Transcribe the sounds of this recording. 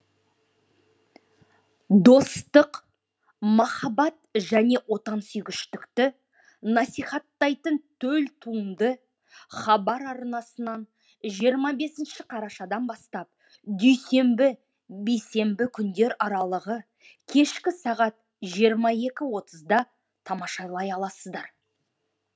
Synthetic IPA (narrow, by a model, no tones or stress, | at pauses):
d̪o̞st̪əq | mɑχɑbɑt̪̚ʒæne̞wo̞t̪ɑnsʏjɡʲɪʃt̪ɪkt̪ɪ | nɑsijχɑt̪ːɑjt̪ənt̪ʰɵlt̪ʰuəmd̪ə | χɑbɑɾɑɾnɑsənɑn | ʒijəɾmɑbe̞sɪnʃɪqʰɑɾɑʃɑd̪ɑnbɑst̪ɑp̚ | d̪ʏjse̞mbɪ | bejse̞mbɪkʲʰʏnd̪e̞ɾɑɾɑlˠəʁə | kʲʰe̞ʃkʲɪsɑʁɑt̪̚ | ʒijəɾmɑe̞kʲɪwo̞t̪ʰəzd̪ɑ | t̪ʰɑmɑʃɑlˠɑjɑlˠɑsəzd̪ɑɾ